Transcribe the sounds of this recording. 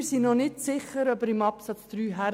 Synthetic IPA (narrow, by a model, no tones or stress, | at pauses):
ɾsinɔnɪtsɪχəɾœbəɾɪmɑpsɑt͡sd̥̪ɾyːɦæ